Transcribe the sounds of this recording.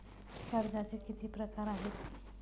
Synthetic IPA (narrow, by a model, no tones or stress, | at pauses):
kəɾd͡ʑat͡sekit̪ʰiːpɾəkaɾaɦet̪